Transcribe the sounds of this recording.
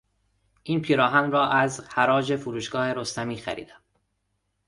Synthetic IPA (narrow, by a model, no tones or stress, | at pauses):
ʔiːnpʰiːɾɒːɦænɾɒːʔæzhæɾɒːd͡ʒe̞fuɾuːʃɡ̥ɒːhe̞ɾost̪æmiːxæ̰ɾḭːd̪̥æm